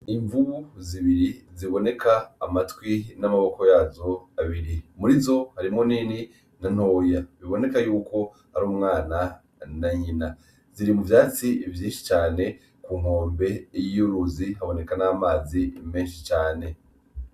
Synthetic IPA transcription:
niɱvuβuziβiɾiziβo̞ne̞kʰaːmatwinamaβo̞ko̞jaːzo̞aβiɾimuɾizo̞haɾimoniːni | nan̥o̞ːjaβiβo̞ne̞kajuːko̞ | haɾuːmŋaːna | naɲina | ziɾimuvjaːt͡sivjiːnʃi̥t͡ʃaːne̞ | kuːm̥hoːmbe̞jijuɾuziɦaβo̞ne̞kanaːmaːzimeːnʃit͡ʃaːne̞

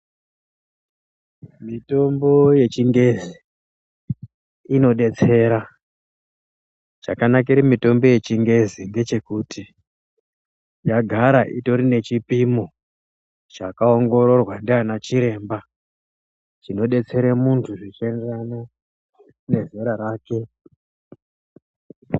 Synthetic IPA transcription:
mito̞mbo̞je̞t͡ʃiŋɡe̞zi | no̞ɗe̞t͡se̞ɾa | t͡ʃa̰kanak̬iɾimito̞mbo̞je̞t͡ʃiŋɡe̞ziŋɡe̞t͡ʃe̞kutʰi | jaɡʱaɾaʔito̞ɾine̞t͡ʃipimo | t͡ʃakaoŋɡo̞ɾo̞rwandeanat͡ʃiɾe̞ːmba | t͡ʃino̞ɗe̞t͡se̞ɾemuntʰuʐit͡ʃienderana | ne̞zeɾaɾaːke̞

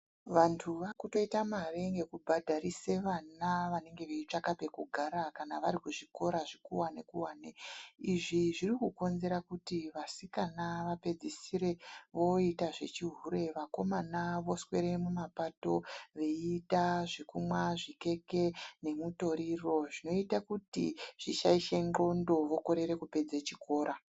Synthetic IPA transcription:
ʋantʰuʋakuto̞itamareŋɡe̞kubʱadʱaɾise̞ʋanaʋane̞ŋɡe̞ʋeit͡ʂakape̞kuɡʱaɾakanaʋaɾikuʐiko̞ɾaʐikuwane̞kuwaːneiʐiʐirikuko̞nze̞ɾakutiʋasikanaʋape̞d͡zisiɾe̞ʋo̞itaʐe̞̰t͡ʃiɦuɾe̞ʋako̞manaʋo̞swe̞ɾe̞mumapato̞ʋe̞itaʐikumwaʐike̞ke̞ne̞muto̞ɾiro̞ʐino̞itakutḭʐ̥iʃaiʃe̞ŋ͡ǃŋ͡ǃo̞ndo̞ʋo̞ko̞ɾe̞ɾe̞kupe̞d͡zet͡ʃiko̞ːɾʔa

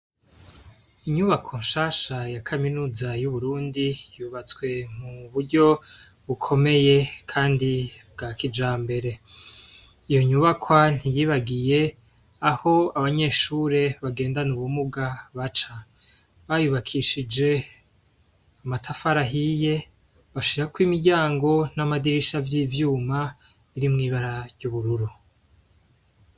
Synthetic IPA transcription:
iɲuβakʰoːnʃaːʃajakʰaminuːzajuβuɾuːndijuːβat͡swe̞muβuɾɟo̞ | βukʰo̞me̞je̞kʰaːndibɡakid͡ʒaːmbe̞ɾe̞ | ijo̞ɲuβakʰwan̥ijiːβaɡije̞ | aho̞aβaɲe̞ʃuːɾe̞βaɡe̞ːndanuβumuɡaβat͡ʃa | βajuβakʰiʃid͡ʒe̞ | amatʰafaɾaɦije | βaʃiɾakwiːmiɟaːŋɡo̞namadiɾiʃavjiːvjuːma | βiɾimŋiːβaɾaɾjuβuɾuɾu

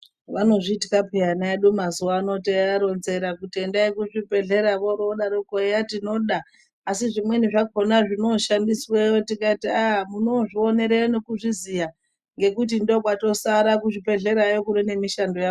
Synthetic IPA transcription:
ʋano̞ʐitikapejanaeɗumazuwaːno̞t̬eaɾo̞nze̞ɾakutendaekuʐipe̞ɮe̞ɾaʋoɾoɗaɾokojatino̞ɗaː | siʐimwe̞niʐakonaʐino̞ʃandiswejotikatiaɦmuno̞ʐione̞ɾeonekuʐizija | ŋɡe̞kutindo̞kwato̞saɾak̬uʐipe̞ɮe̞ɾajokuɾine̞miʃandoja

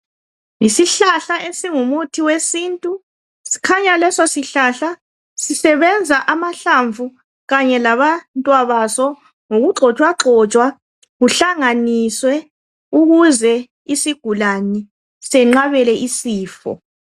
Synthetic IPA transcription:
isiɬaɬaʔesiŋumutʰiwesintʼu | si̥kʰaɲalɛsɔsiɬaɬa | sisɛβɛnd͡zʱaʔamaɬaɱvʱu | ɣaɲɛlaβantʼwaβasɔ | ŋoɣuǁʱɔt͡ʃʼwaǁʱɔt͡ʃʼwa | ɣuɬaŋaniswɛ | uɣuzɛ | isiɡ̥ʱulani | sɛŋ͡ǁaβɛlɛʔisiːfɔ̰

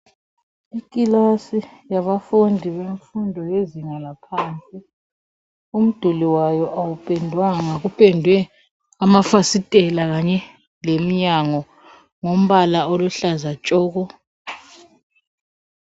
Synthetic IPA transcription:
ikʼilasijaβafundʱiβeɱfundʱɔjeziŋalapʰaːnt͡sʼi | um̩d̥ʱuliwajɔʔawupʼɛndʱwaŋaɣupʼɛndʱwɛ | amafasitʼɛlaɣaɲɛ | lem̩ɲaŋɔ | ŋom̩βalaoluɬazat͡ʃʼɔːɣɔ

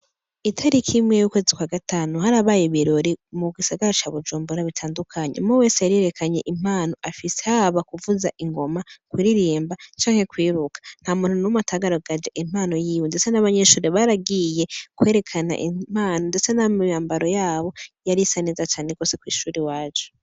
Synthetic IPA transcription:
itʰaɾikʰimŋejukwe̞ːzikwaɡataːnuhaɾaβaːjiβiɾo̞ɾimuɡisaɡaɾat͡ʃaβud͡ʒuːmbuɾaβitʰaːndukʰaɲḛmŋowe̞ːsejaɾieɾekʰaɲe̞̰ʔim̥aːno̞ʔafisehaβakuvuzaʔiŋɡo̞makwiɾiɾiːmbat͡ʃaːŋhe̞kwiːɾukḁn̥hamuːn̥hunumutʰaɡaɾoɡad͡ʒeʔim̥aːno̞jiːwindet͡se̞naβaɲe̞ʃuːɾeβaɾaɡije̞kwe̞ːɾe̞kʰana̰ʔim̥aːnonde̞t͡se̞namjaːmbaɾo̞jaːβo̞jaɾisanizat͡ʃaːneɡo̞ːsekwḭːʃuːɾiwaːd͡ʒo

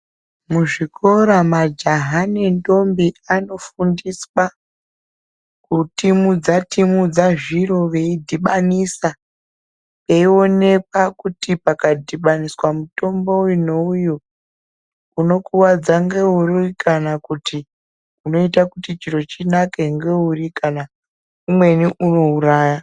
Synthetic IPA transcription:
muʐikʰo̞ɾamad͡ʒaɦanendo̞mbiano̞fundiswa | kutimud͡zatimud͡zaʐiɾo̞ʋe̞idʱiɓanisa | pe̞io̞ne̞k̚akutipakadʱiɓaniswamuto̞mbo̞ujunouju | uno̞kuwad͡zaŋɡe̞urikʰanakutʰi | uno̞itakutit͡ʃiro̞t͡ʃinake̞ŋɡe̞urikana | umwe̞niʔuno̞uɾaːja

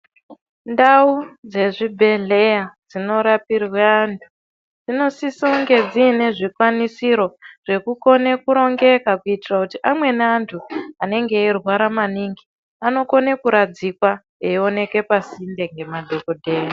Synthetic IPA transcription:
ndaud͡ze̞ʐibʱe̞ɮe̞jad͡zino̞ɾapirwaːntʰu̥ | d͡zino̞sisoŋɡe̞d͡zine̞ʐikwanisiɾo̞ʐ̥e̞kuko̞ne̞kuɾo̞ŋɡe̞kakuitirakutiʔamwe̞neantʰuane̞ŋɡe̞ːrwaɾamaniŋɡi | ano̞ko̞ne̞kuɾad͡zikwa | eo̞ne̞ke̞pasinde̞ŋɡe̞madʱo̞kodʱeːja

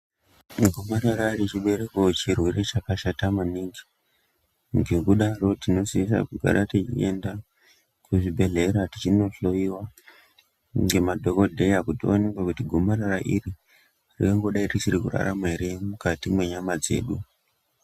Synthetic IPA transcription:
ɡʱomaɾaɾarit͡ʃiɓe̞ɾekot͡ʃirwiret͡ʃakaʃatamaniŋɡi | ŋɡekuɗaro̞tino̞siis̬a̰kuɡʱa̰ɾʔatet͡ʃḭenda | kuʐibʱe̞ɮe̞ɾatit͡ʃino̞ɬo̞iwa | ŋɡe̞madʱo̞ko̞dʱe̞akutionekwakutiɡʱomaɾaɾaʔiri | rḭoŋɡo̞ɗairisiɾikṵra̰ra̰mwe̞ɾemukatimwe̞ɲamad͡ze̞̰ːɗu

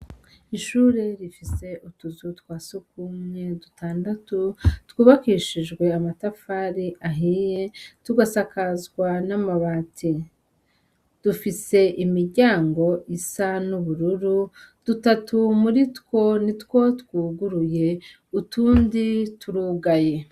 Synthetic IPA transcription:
iʃuːɾe̞ɾifise̞utuzutwaːsuk̚umɲe̞dutʰaːndatutwuːβakiːʃiʒɡwe̞amatafaːɾiʔaɦijetuɡasakazɡwanamaβaːtʰi | d̥ufise̞ʔimiɾɟaːŋɡo̞isanuβuɾuɾu | d̥utatumuɾitko̞nitko̞tkuːɡuɾuje̞ | utuːndituɾuːɡaje̞

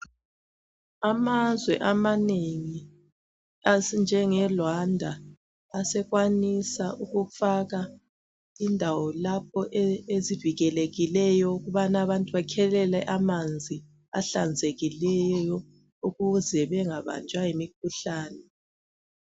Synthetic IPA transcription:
amazwɛʔamaneŋi | and͡ʒʱɛŋɛlwandʱaː | sɛɣwanisaʔuɣufaɣa | indʱawɔlap̚ʰɔʔeeziviɣɛleɣilɛjɔuɣuβanaβantʼuβakʰɛlɛlɛʔamand͡zʱi | a̰ɬand͡zʱeɣilɛjjɔ | uɣuzɛβɛŋaβa̰nd͡ʒʱʼwajimik̚ʰuɬaːnɛ

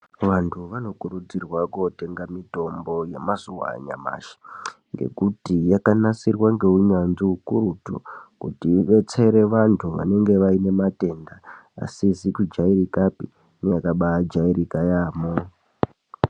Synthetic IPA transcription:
ʋantʰuʋano̞kuɾud͡zirwako̞te̞ŋɡamito̞mbo̞je̞mazuwa̰ɲa̰ma̰ʃḁ | ŋɡe̞̰kutijakanasirwaŋɡe̞uɲanziukuɾutṵkutiːʋe̞t͡se̞ɾe̞ʋantʰuʋa̰ne̞ŋɡe̞ʋaine̞mate̞ndaa̰sizikud͡ʒaiɾikapḭ | nejakaɓad͡ʒaiɾikajaːmo

